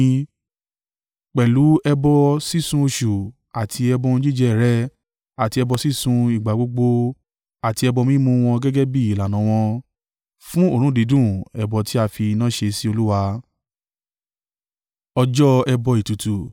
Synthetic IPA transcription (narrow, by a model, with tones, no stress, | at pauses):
k͡pɛ˨lu˨˦ɛ˧bɔ˧si˦sũ˧o˧ʃu˨ | a˨tʰi˧ɛ˧bɔ˧ñ̩˦d͡ʒi˦˨d͡ʒɛ˧˨ɾɛ˨˦ | a˨ti˧ɛ˧bɔ˧si˦sũ˧i˨ɡ͡ba˨ɡ͡bo˧ɡ͡bo˧ | a˨ti˧ɛ˧bɔ˧mĩ˦mũ˧w̃ɔ̃˧ɡɛ˦ɡɛ˦bi˦i˨la˨nã˨˦w̃ɔ̃˧ | fũ˦o˦˨ɾ̃ũ˦di˨˦dũ˦˨ɛ˨bɔ˨ti˨˦a˧fi˧nã˦ʃe˧si˦o˧lu˦wa˧ | ɔ˧d͡ʒɔ˦ɛ˧bɔ˧i˨tu˨tu˨